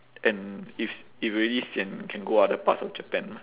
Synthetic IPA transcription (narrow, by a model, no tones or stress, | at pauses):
ʔɛ̃nififɹilisɛ̃nkʰɛ̃nɡoadəpa̰tsɔfd͡ʒəpɛ̃n